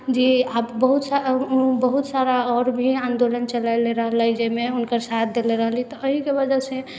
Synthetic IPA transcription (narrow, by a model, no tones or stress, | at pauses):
d͡ʒiabbəɦut̪saubəɦut̪saɾaɔːɾbʱiãːnd̪olənt͡ʃəlaɪleɾəɦələid͡ʒemeʊnkəɾsat̪̚ʰd̪eleɾəɦəlit̪ɔəɦikebəd͡ʒəse